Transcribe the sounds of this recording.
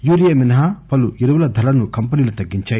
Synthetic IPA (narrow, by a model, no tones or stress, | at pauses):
juːɾijɐminɐɦaːpɐluiɾɐʋɐlɐd̪ʱɐlɐnukɐmpɐniːlut̪ɐɡːiɲt͡ʃaːji